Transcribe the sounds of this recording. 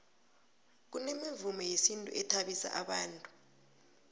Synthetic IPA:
k̬unemivumɛjesintʼṵʔɛtʰaɓisa̰ʔaɓaːntʼu̥

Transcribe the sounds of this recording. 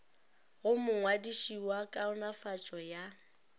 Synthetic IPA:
ɣʊmʊŋwadiʃiwakʼaʊnafat͡ʃʼɔja

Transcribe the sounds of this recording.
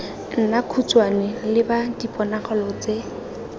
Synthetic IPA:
n̩nakʰut͡swanɛlɪbadipʼɔnaχɔlɔt͡se

